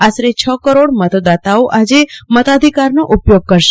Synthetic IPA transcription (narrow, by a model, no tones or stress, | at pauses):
asɾet͡ʃʰəkəɾoɽmət̪d̪at̪aoʔad͡ʒemət̪ad̪ʱikaɾnoʔupjoɡ̚kəɾʃe